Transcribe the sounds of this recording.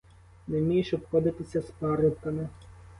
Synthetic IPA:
nɛmʲijiʃɔpxɔd̪ɪt̪ɪsʲɐspɑɾɪwkɐmɪ

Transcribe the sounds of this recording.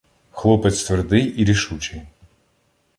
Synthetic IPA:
xlˠɔpɛt̪st̪ʋerd̪ɪjʔiɾʲiʃut͡ʃɪj

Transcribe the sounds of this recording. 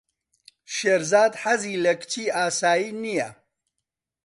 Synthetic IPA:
ʃeːɾzaːd̪ħaziːlɐkt͡ʃʰiːaːsaːjiːnijɐ̰

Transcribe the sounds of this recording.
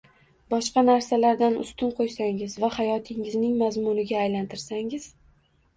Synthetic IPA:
bɒʃqɑnaɾsalaɾd̪anʊ̰st̪ʊnqʰojsaŋɪzvahajɒt̪ʰɪŋɪznɪŋmazmʊnɪɡʲaːjlant̪ʰɪɾsaŋɪz̥

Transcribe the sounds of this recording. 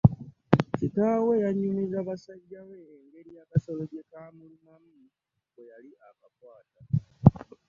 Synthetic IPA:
sikawejaɲinizaβasaɟːaweːŋɡe̞ɾijakasoloɟekamunnamidi | kojaliakakwaːta

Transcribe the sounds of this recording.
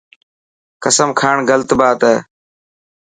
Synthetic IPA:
kəsəmkʰaːɳɡəlt̪baːt̪ɛː

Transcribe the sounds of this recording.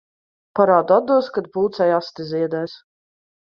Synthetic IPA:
paɾaːd̪ad̪uɔskad̪̚puːt̪sajast̪izʲiɛd̪ajs

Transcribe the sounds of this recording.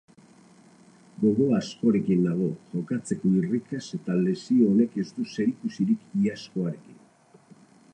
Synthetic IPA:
ɡo̞ɣo̞asko̞ɾe̞kind̪aɣ̞o̞ʝo̞kat͡se̞ko̞irikase̞t̪ale̞sioːne̞ke̞st̪use̞ɾikusiɾikiasko̞aɾe̞kin

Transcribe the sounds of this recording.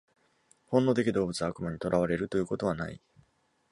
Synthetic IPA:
hõ̞nːo̞t̪̬e̞kʲid̪o̞ːbɯ̟t͡sɨakɯ̟maɲ̟it̪o̞ɾʔaβaɾe̞ɾɯ̟t̪o̞jɯ̟ko̞t̪o̞βana̰ḭ

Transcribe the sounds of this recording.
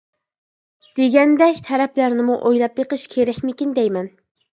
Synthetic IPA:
d̪̥eɡʲɛnd̪ɛkʲt̪ʰɛɾɛplæɾnɪmuʔojlˠɑpjeqəʃkʲʰeɾɛkʲmɪkʲind̪ɛjmɛn

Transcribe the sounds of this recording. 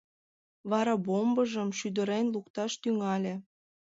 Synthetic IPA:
βɑɾɑbombəʒəmʃyd̪ə̆ɾenlukt̪ɑʃt̪yŋɑlʲĕ

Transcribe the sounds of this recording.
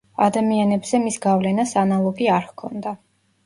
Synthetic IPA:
a̰d̪amianɛbz̥ɛmisɡavlɛnasanalˠɔɡiaɾhkʰɔ̰nd̪a

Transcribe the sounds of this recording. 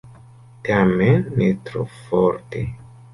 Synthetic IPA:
tamenːetɾo̰foɾte

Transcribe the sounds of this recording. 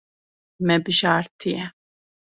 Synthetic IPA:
mɛbiʃaːɾt̪ʰiɛ

